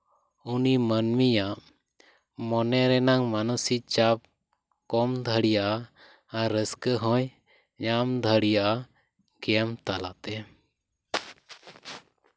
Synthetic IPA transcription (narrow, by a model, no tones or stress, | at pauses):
unimənmijaʔ | mɔnɛɾɛnaŋmanəsit͡ʃap̚ | kɔmd̪ʱəɽijaʔa | aɾəskəɦɔ̃j | ɲamd̪ʱəɽijaʔa | ɡɛmt̪alat̪ɛ